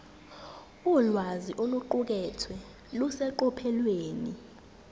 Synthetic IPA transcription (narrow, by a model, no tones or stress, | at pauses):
ulwaziʔoluǃuk̬ɛtʰwɛ | lusɛǃɔpʰɛlweːni